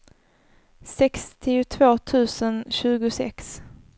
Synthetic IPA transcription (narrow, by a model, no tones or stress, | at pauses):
sɛkst̪ʰɪʊt̪ʰvoːt̪ʰʉ̟ːsənɕʉ̟ːɡʊsɛ̰ks